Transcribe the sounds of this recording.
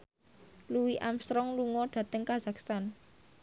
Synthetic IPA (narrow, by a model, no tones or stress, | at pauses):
luwiʔamst̪ɾɔŋluŋɔɖ̥ä̤t̪əŋkaz̥akst̪an